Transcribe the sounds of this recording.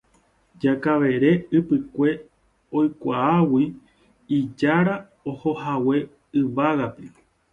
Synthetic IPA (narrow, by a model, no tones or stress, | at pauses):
d͡ʒakaʋe̞ɾe̞ɨpɨkʷe̞ | o̞jkʷaawi | id͡ʒaɾa | oho̞hawe̞ | ɨʋaɣape